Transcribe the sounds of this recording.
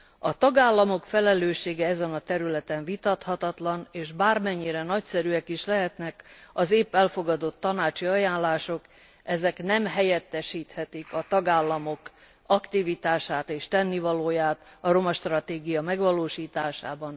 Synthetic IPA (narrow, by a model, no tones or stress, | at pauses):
ɒt̪ɒɡaːlːɒmo̞kfɛlɛløːʃeːɡɛɛzɛnɒt̪ɛɾylɛt̪ɛɱvit̪ɒt̪hɒt̪ɒt̪lɒneːʒbaːrmɛɲːiɾɛnɒcsɛɾyɛkiʃlɛɦɛt̪nɛkɒzeːpːɛlfo̞ɡɒd̪o̞t̪ːɒnaːt͡ʃiɒjaːnlaːʃo̞k | ɛzɛknɛmɦɛjɛt̪ːɛʃiːt̪hɛt̪ikɒt̪ɒɡaːlːɒmo̞k | ɒkt̪ivit̪aːʃaːt̪eːʃt̪ɛnːivɒloːjaːt̪ɒro̞mɒʃt̪rɒt̪eːɡijɒmɛɡʋɒloːʃiːt̪aːʃa̰ːbɒn